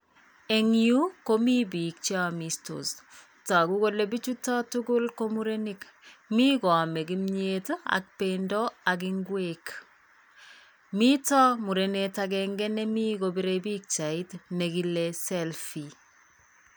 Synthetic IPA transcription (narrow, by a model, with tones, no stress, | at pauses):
e˨ŋju˦ko˦mi˦bi˨k̚t͡ʃa˦misto̰s | ta˨ku˦ko˦le˨bi˦t͡ʃu˦tɔ˦tuɡʊ˦lko˦mu˦ɾe˦nik | mi˦kɔ˨a˨mɛ˨ɡimɲeta̰˨k̚pendɔ˦ak̬iŋɡwek | mi˦tɔ˦mu˨ɾenetakɛŋɡɛ˦nɛ˦mi˦kobiɾebi˦k̚t͡ʃa˨itneɡi˦lesɛlfi